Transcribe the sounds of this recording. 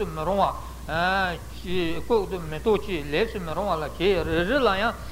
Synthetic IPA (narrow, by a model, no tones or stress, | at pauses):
uməɾoŋwa | koʔt̪umət̪oʔt͡ɕilesʰiməɾoŋwalat͡ɕererilajɑŋ